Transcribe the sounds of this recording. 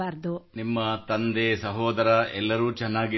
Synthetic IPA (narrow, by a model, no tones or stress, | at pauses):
aːɾd̪unimːɐt̪ɐnd̪esɐɦoːd̪ɐɾɐɛlːɐɾuːt͡ʃɛnːaːɡi